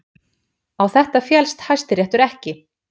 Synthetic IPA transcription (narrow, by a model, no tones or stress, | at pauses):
awθɛht̪afjɛlst̪hajst̪ɪɾjɛht̪ʏɾɛhcɪ